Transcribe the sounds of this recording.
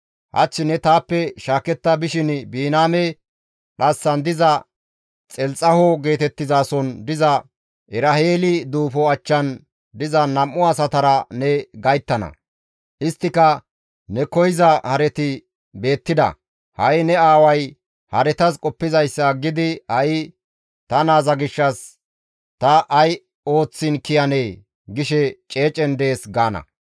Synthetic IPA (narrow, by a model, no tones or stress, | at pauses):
hɐ̰t͡ʃːɪnɛt̪aːpːɛʃaːkɛt̪ːɐbɪʃɪnbiːnaːmɛ | ᶑɐsːɐnd̪ɪzɐ | t͡sʼɛlt͡sʼːɐhɔɡe̞ːt̪ɛt̪ːɪzaːsɔnd̪ɪzɐ | ʔɪɾɐheːlɪd̪uːfɔɐt͡ʃːɐn | d̪ɪzɐnɐmːʊɐsɐt̪ɐɾɐnɛɡɐjt̪ːɐnɐ̰ | ʔɪst̪ːɪkɐ | nɛkɔjɪzɐhɐɾɛt̪ɪ | be̞ːt̪ːɪd̪ɐ̰ | hɐjnɛaːwɐj | hɐɾɛt̪ɐskʼɔpːɪzɐjsːɐɡɪd̪ɪhɐj | t̪ɐnaːzɐɡɪʃːɐs | t̪ɐʔɐj | o̞ːt͡sːɪnkɪjɐneː | ɡɪʃɛt͡ʃʼe̞ːt͡ʃʼɛnd̪e̞ːsɡaːnɐ̰